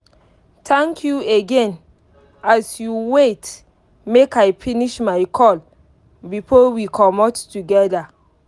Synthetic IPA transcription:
tʰɛ̃ŋkʰjueɡɛ̃n | asjuwet | mekajfiniʃmajkʰɔl | bifɔwikʰɔmɔtːuɡɛda

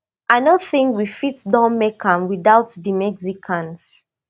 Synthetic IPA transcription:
ʔaɪnoθĩŋkwifitdãnmekʰãmwiðaʊtðimɛksikʰãns

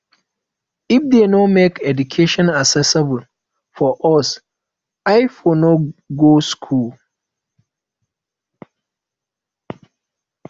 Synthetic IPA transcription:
ifdenɔmekɛdukʰeʃɔ̃nasɛsɛbl | fɔʔɔs | aɪfonɔɡoskʰul

